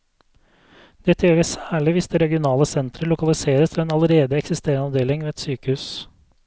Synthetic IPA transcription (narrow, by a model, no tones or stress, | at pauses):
d̪̥ɛt̪ʰøːʋɛsæːɭɪʋɪst̪əɾɛɡɪʊnɑːləsɛnt̪ɾəɭʊkɑlɪseːɾəst̪ʰɪlɛːnɑləɾeːd̪əɛksɪst̪eːɾənɑʋd̪eːlɪŋʋeːɛt̪syːkəhʉːs